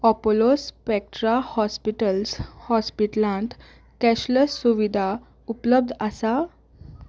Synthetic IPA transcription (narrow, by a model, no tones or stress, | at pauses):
ɔpolospɛk̚ʈɾahɔspiʈəlshɔspiʈlãnt̪ | kɛɕləsːuʋid̪ʱa | upləb̚d̪ʱəsa